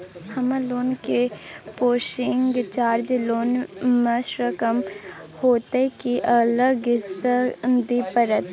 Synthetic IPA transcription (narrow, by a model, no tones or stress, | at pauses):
hɐmãloːnkepoːʃɪŋɡt͡ʃaːɾd͡ʒloːnməʃɾəkəmhoːt̪ekiʔələɡɡɪsad̪ipəɾət̪